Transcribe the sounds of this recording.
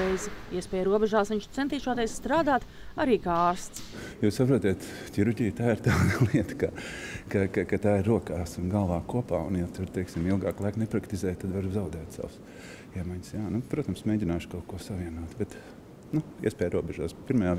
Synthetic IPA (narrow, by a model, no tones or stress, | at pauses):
ɛjzɪiɛspʲɛːjɾuɔbɛʒaːsʋʲiɲʃt̪sɛnt̪iːʃoɔt̪eɛsst̪ɾaːd̪aːt̪ | aɾiːkaaːɾst̪sjuːssapɾuɔt̪iːt̪ | tʲiɾuɾɟʲijt̪aːiɾt̪aːd̪lˠiɛt̪ə̥kakakakat̪aːɪɾːuɔkaːsunɡalˠʋaːkuɔpaːṵnjat̪uɾt̪ɛjksimilˠɡaːklˠajknɛpɾakt̪izɛːjt̪ad̪vaɾzaʊd̪ɛːt̪sa̰ws | iɛmajɲʲsjaːnupɾuɔt̪amsmeːɟʲinaːʃkaʊt̪̚kuɔsaʋiɛnuːt̪bɛt̪ | nuḭɛspʲɛːjɾuɔbɛʒa̰ːspiɾmajaː